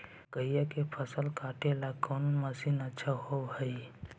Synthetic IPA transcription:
kəjakepʰəsəlkaʈʰelakʰonməsinətːʃʰaɦoɦəi

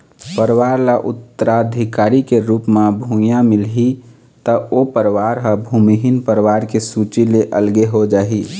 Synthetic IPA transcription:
pəɾʋaːɾlaʔʊ̰t̪ːəɾad̪ʱikaːɾikeɾuːpmabʱũjãmɪlɦi | t̪əopəɾwaɾɦə̃bʱumiɦinpəɾʋaɾkesut͡ʃileʔəlɡeɦod͡ʒaːɦi

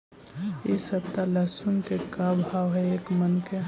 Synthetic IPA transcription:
isəbt̪alɛsunkekabʱaːʋɦɛeːkmənke

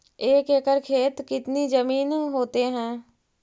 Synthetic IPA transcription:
eːkeːkəɾkʰeːt̪kɪt̪nid͡ʒəmiːnɦoːt̪eɦɛ̃ː

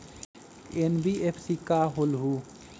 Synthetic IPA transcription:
enbiʔepʰsikaɦolɦu

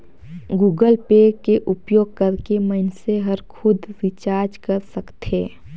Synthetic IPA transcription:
ɡuːɡəlpeːkeʔʊpjoːɡ̚kɐɾkeməɪnseɦəɾkʰʊd̪ʱʋɪt͡ʃaːɾd͡ʒkɐɾsəkt̪eː

